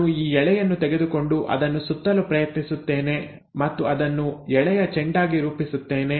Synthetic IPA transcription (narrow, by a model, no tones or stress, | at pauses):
uiːɛɭɛjɐnːut̪ɛɡe̞d̪uko̞ɳɖuʔɐ̰d̪ɐnːusut̪ːɐlupɾɐjɐt̪nisut̪ːe̞ːne̞ | mɐt̪ːuɐd̪ɐnːuɛɭɛjɐt͡ʃeɳɖaːɡiɾuːpisut̪ːeːne̞